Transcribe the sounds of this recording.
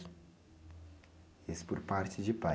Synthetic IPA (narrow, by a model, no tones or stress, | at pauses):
espoɾpaɾt͡ʃɪd͡ʒɪpa